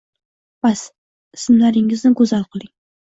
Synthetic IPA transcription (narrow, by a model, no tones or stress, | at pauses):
b̥as | ɪsmlaɾɪŋɪznɪɡɵzalˠqʰɨlˠɪŋ